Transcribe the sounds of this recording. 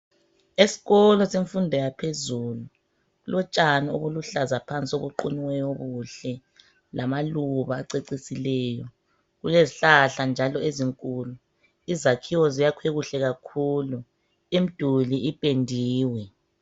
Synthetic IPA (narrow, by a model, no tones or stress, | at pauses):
esi̥ɣɔlɔseɱfundʱɛjapʰezuːlu | ɣulʔɔt͡ʃʼanio̰βuluɬazapʰant͡sʼioβuǃuniwɛjoɣuɬɛ | lʔamaluβaːǀeǀisilɛːjɔ | ɣuleziɬaɬand͡ʒʱalɔeziŋkʼuːlu | izakʰiwɔzijakʰweɣuɬɛɣakʰuːlu | im̩d̥ʱuliʔipʼendʱiːwɛ